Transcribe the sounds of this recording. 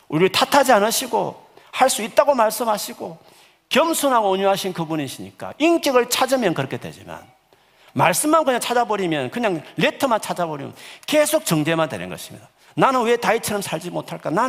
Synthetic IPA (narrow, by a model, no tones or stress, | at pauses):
uɾitʰatʰad͡ʑianɯɕʰiɡo̰ | haɭs͈uit̚t͈aɡomaɭs͈ɯmɦaɕʰiɡo | kjʌmsʰunɦaɡoːɲuɦaɕʰinkɯbuniɕʰiɲḭk͈a̰ink͈iɡɯɭt͡ɕʰad͡ʑɯmjʌnkɯɾʌkʰedwe̞̰d͡ʑḭma̰n | maɭs͈ɯmːankɯɲaŋt͡ɕʰad͡ʑabʌɾimjʌnkɯɲaŋle̞tʰɯmant͡ɕʰad͡ʑabʌɾimjʌ̰nnke̞sʰok̚t͡ɕʌŋd͡ʑe̞mandwe̞̰nɯ̰nɡʌ̰ɕʰi̥mɲḭda | nanɯnwe̞tait͡ɕʰʌɾʌmsʰaɭd͡ʑimotʰaɭk͈anan